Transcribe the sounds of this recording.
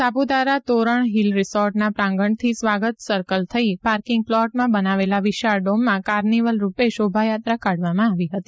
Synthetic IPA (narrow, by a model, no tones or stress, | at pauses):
sabud̪aɾat̪oɾəɳɦilɾɪsɔɾʈnapɾãŋɡəɳt̪ʰisʋaɡət̪səɾkəlt̪ʰəipaɾkɪ̃ŋɡ̚flɔʈmãbənaʋelaʋɪʃaɾɖomːãkaɾniʋəlɾupeʃobʱajat̪ɾakaɽʋamãaʋiɦət̪i